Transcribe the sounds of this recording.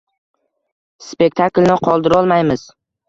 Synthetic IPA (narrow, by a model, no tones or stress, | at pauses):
spe̞k̚ʲt̪ʰaklnɪqʰɒlˠd̪ɪɾɒlˠmajmɪz̥